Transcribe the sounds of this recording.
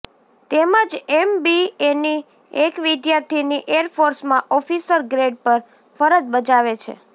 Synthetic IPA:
t̪eməd͡ʒɛmbieni | ekʋid̪jaɾt̪ʰiniʔeɾfoɾsmãʔɔfisəɾɡɾeɖpəɾ | fəɾət̪bəd͡ʒaʋet͡ʃʰḛ

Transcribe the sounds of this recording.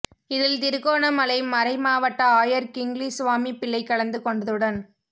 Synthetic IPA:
ɪðɪlt̪ɪɾɯkːoːnɐmɐlɐɪmɐɾɐɪmaːʋɐʈːɐaːjɐɾkɪŋɡlisʊʋaːmipɪɭːɐɪkːɐɭɐnd̪ɯkɔɳɖɐðɯɽɐn

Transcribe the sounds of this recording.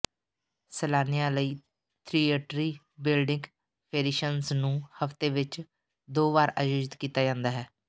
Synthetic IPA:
səlaːnijãːləiː | t̪ʰɾiːeːʈɾiː | bɪlɖɪ̃ŋɡ | pʰeːɾiʃənznũːhəft̪eːʋɪt͡ʃ | d̪oːbaːɾa̰ːjoːd͡ʒɪt̪kiːt̪aːd͡ʒãːnd̪aːɦɛː

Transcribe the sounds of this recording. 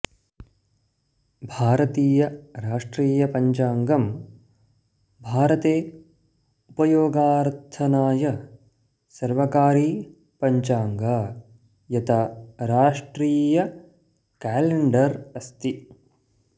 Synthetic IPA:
bʱaːɾɐt̪iːjɐɾaːʂʈɾiːjɐpɐɲt͡ʃaːŋɡɐm | bʱaːɾɐt̪eː | upɐjoːɡaːɾt̪ʰɐnaːjɐ | sɐɾʋɐkaːɾiː | pɐɲt͡ʃaːŋɡa | jɐt̪ʰaɾaːʂʈɾiːjɐ | kaːleɳɖɐɾɐst̪i

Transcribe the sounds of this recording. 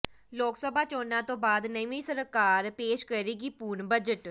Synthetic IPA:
loːksəbaːt͡ʃoːnãːt̪õːbaːd̪nəĩʋĩːsəɾkaːɾpeːʃkəɾiːɡiːpuːɳbəd͡ʒəʈ

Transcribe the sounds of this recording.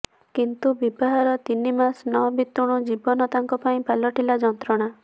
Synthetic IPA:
kint̪ubibaɦaɾɔt̪inimasnɔbit̪ːuɽ̃ɔd͡ʒibɔnɔt̪aŋkɔpaĩpalɔʈilad͡ʒɔnt̪ɾɔɽ̃a

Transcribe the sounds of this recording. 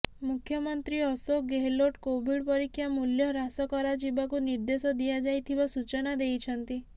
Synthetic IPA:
mukʰjɔmɔnt̪ɾiɔsoɡeɦeloʈkobʱiɽpɔɾikʰːjamuljɔɾasɔkɔɾad͡ʒibak̬uniɾd̪esɔd̪iad͡ʒajt̪ʰibasut͡ʃɔnad̪ejt͡ʃʰɔnt̪i

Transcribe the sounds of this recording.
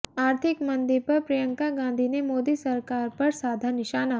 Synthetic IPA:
aːɾt̪ʰɪkmɐ̃nd̪ɪɾpɐɾpɾɐjə̃ŋkaɡãːnd̪ʱinemoːd̪isɐɾkaːɾpɐɾsaːd̪ʱanɪʃaːna

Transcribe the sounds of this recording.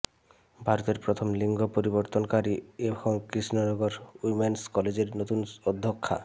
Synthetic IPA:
bʱaɾot̪eɾpɾot̪ʰomliŋɡʱopoɾiboɾt̪onkaɾieboŋkɾisnonɔɡoɾujmenskɔled͡ʑeɾnot̪unɔd̪ʱːokʰːa̰

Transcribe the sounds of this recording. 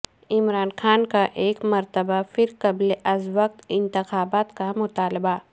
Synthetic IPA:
ɪmɾaːnxaːnkaʔeːkmɐɾt̪əbafɪɾkɐbleʔɐzʋək̚t̪ɪ̃nt̪ɪxaːbaːt̪kamʊt̪aːlba

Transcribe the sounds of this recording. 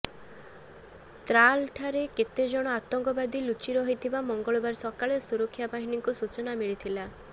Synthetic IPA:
t̪ɾalʈʰaɾeket̪ed͡ʒɔɽ̃ɔat̪ɔŋkɔbad̪ilut͡ʃiɾɔɦijt̪ʰibamɔŋɡɔɭɔbaɾsɔkaɭesuɾɔkʰːjabaɦiniŋkusut͡ʃɔnamiɭit̪ʰila

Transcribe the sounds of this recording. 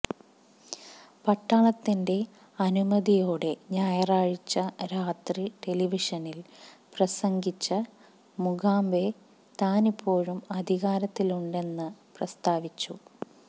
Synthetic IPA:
pɐʈːɐɳɐt̪ːinde̞ | ɐnumɐðijo̞ːɽe̞ɲaːjɐraːɻit͡ɕːɐɾaːt̪riʈe̞liʋiʂɐnilprɐsɐŋɡit͡ɕːɐ | muɡaːmbe̞ | t̪aːnipːo̞ːɻumɐd̪ʱiɣaːɾɐt̪ːiluɳɖe̞nːɨprɐst̪aːʋit͡ɕːu

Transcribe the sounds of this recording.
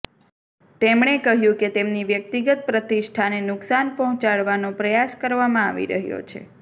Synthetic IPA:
t̪emɳekəɦjũket̪emniʋjək̚t̪iɡət̪̚pɾət̪iʃʈʰanenʊksanpɔɦɔ̃t͡ʃaɭʋanopɾəjaskəɾʋamãaʋḭɾə̰ɦjo̰t͡ʃʰḛ

